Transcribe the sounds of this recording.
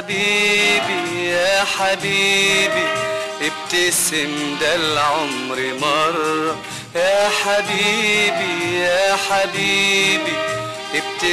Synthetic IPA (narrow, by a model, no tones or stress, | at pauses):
biːbijaħabiːbiʔɪb̚t̪asɪmd̪alʕʊmɾɪmɑɾˤ | jaħabiːbijaħabibi | ʔɪb̚t̪a